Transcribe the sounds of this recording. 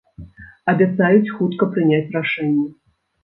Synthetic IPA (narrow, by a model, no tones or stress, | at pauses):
ɐbʲat̪sajut͡sʲxut̪kɐpɾɨnʲat͡sʲraʂɛnʲːɛ